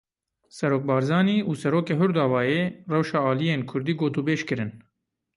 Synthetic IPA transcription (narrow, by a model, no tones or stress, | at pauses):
sɛɾoːk̚bɑːɾzɑːniːʔuːsɛɾoːkeːɦʊɾd̪ɑːvɑːjeːrɛwʃɑːɑːlijeːnkʰʊɾd̪iːɡoːt̪uːbeːʃkɨɾɨn